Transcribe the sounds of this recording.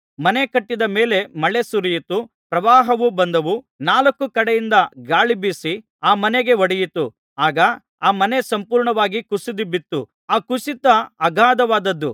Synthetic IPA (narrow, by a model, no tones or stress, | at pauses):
mɐne̞kɐʈːid̪ɐme̞ːle̞mɐɭesuɾijit̪u | pɾɐʋaːɦɐʋubɐnd̪ɐʋu | naːlɐkːukɐɽejind̪ɐɡaːɭibisi | aːmɐneɡe̞ʋɐɽijit̪u | aːɡɐ | aːmɐne̞sɐmpuːɾɳɐʋaːɡikusid̪ibit̪ːu | aːkusit̪ɐɐɡaːd̪ɐʋaːd̪ɐd̪ːu